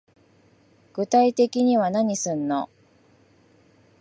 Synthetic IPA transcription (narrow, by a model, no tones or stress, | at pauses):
ɡ̥ɯ̟t̪ait̪e̞kʲiɲ̟iβanaɲ̟isɨ̃nːo̰